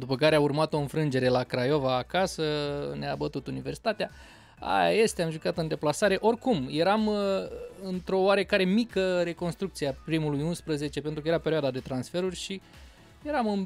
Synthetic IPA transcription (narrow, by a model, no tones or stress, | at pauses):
d̪upəkaɾeaurmat̪o̞ɨnfɾɨnd͡ʒe̞ɾe̞lakɾajovaːkasəneabət̪ut̪universi̥t̪at̪ea | a̰ja̰je̞st̪eamʒukat̪ɨnd̪e̞plasaɾe̞ʔo̞rkumje̞ɾam | ɨnt̪ɾo̞oaɾe̞kaɾe̞mikəɾe̞ko̞nst̪ɾuk̚t̪sieapɾimulujunspɾəze̞t͡ʃe̞pe̞nt̪ɾukəjeape̞ɾʲioad̪ad̪e̞t̪ɾansfe̞ɾurʲʃi | je̞ɾamɨn